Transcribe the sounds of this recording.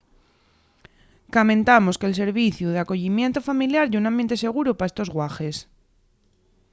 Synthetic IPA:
kamẽ̞nt̪amoskels̬e̞ɾβiθjuð̞eako̞ʎimje̞nt̪ofamiljaɾʝunãmbje̞nt̪e̞se̞ɣ̞uɾopaest̪ozɣwaxes

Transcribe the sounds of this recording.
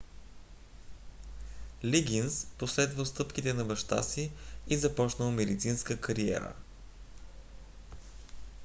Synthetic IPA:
liɡʲinsposlɛd̪vəlˠst̪ɤpk̟it̪ɛnɐbɐʃt̪a̰siizɐpɔt͡ʃnəlˠmɛd̪it̪sinskəkɐɾiɛ̰ɾə̰

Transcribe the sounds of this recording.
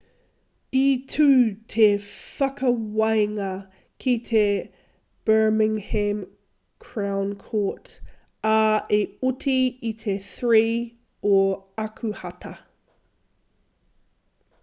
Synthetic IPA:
itʰʉːtʰefɐkɐwɐjŋɐ | kʰit̪ʰe | b̥ɜ˞mɪ̃ŋhɛ̃m | kʰɹawnkʰoːˑt | aeutʰiːt̪ʰeθɹiː | oɐkʰuhɐt̪ʰɐ

